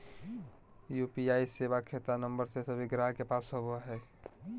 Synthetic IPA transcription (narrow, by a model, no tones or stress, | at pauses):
jupiaisebakʰet̪anəmbəɾsesəbiɡɾaɦkepasɦoboɦɛː